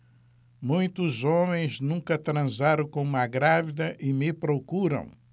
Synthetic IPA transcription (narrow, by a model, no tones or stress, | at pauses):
mũj̃t̪uzomẽj̃znũŋkɐt̪ɾɐ̃zaɾʊ̃kõumɐɡɾavid̪ɐʔimɪpɾokuɾɐ̰̃w̃